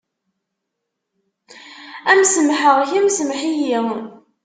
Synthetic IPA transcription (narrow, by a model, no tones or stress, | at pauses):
æmsəmħəʁçæmsəmħiji